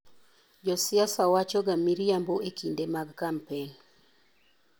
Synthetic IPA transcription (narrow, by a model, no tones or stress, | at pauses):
d͡ʒɔsɪasawat͡ʃɔɡamiɾjamboekʰindemaɡkampeŋ